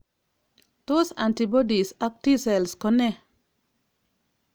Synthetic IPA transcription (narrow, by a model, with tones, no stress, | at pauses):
to˦sa̰˨nti˨bɔ˦di˨sa˦k̚ti˦sɛ˨lskɔ˦ne˦